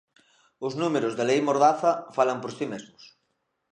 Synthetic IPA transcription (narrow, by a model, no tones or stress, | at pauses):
ʊznumeɾʊzðelejmoɾðaθɐfalɐmpoɾsimezmʊs